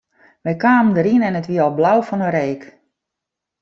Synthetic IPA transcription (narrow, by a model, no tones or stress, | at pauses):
ʋɛjkaːməndəɾinɛnətʋiəɔlˠblawfɔnəɾeːk